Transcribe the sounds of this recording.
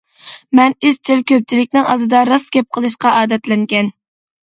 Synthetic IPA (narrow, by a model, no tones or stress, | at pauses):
mɛnizt͡ʃ̪ʰɪlkʲʰøp̚t͡ʃʰilɪkʲnɪŋɑ̰d̪ɨd̪ɑɾɑskʲɛp̚qʰəlˠɨʃqɑʔɑːd̪ɛt̪lɛŋɡʲɛn